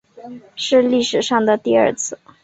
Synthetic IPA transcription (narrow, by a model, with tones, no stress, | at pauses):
ʂɻ̩˥˧li˥˩ʂɻ̩˨˩ʂɑ˥˩ŋd̪ə˩t̪i˥˧ɐ̰˞˥˧t͡sʰɹ̩˥˩